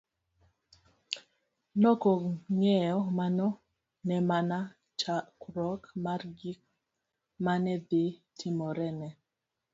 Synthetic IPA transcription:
nɔkoŋɛjɔmanɔ | nɛmana | t͡ʃakɾɔkmarɡik̚ | manɛdi | tʰimɔɾɛnɛ

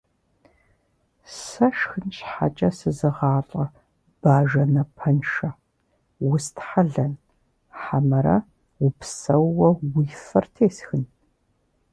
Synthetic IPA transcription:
sɐʃxɨnɕħa̰t͡ʃʼɐsɨzɨʁɑːɬʼɐ | b̥aːʒɐnɐpʰɐnʃɐ | wʊstʰħaɮɐn | ħamɐɾɐ̰ | wʊpsɐwːɐwiːfɐrtʰeːsxɨn

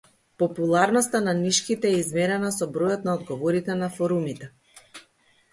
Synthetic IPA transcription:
pɔpulˠaɾnɔst̪ananiʃkit̪ɛːizmɛɾɛnasɔbɾɔjɔt̪naɔd̪ɡɔvɔɾit̪ɛnafɔɾumit̪ɛ

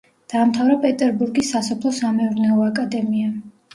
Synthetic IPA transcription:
d̪̥aːmt̪ʰavɾapʼɛt̪ʼɛɾbuɾɡisːasɔpʰlˠɔsamɛuɾnɛɔakʼad̪ɛmia

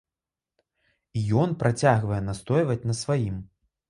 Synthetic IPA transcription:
ijɔnpɾat͡sʲaɣvɐjɛnast̪ɔjvɐt͡sʲnɐsvajim

